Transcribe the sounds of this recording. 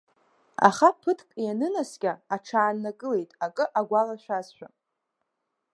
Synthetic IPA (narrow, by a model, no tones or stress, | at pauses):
a̰χapʰɨtʰkʼjanɨnaskʲʼaaʈ͡ʂʰaːnːakʼɨle̞jtʼakʼɨʔaɡʷalaʃʷᶣazʃᶣa